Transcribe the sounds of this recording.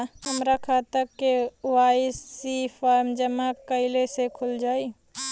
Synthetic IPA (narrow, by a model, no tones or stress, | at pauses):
ɦɐmɾakʰaːt̪əkːeʊaːisifʰaːɾmd͡ʒəmakəɪlesekʰʊld͡ʒaːi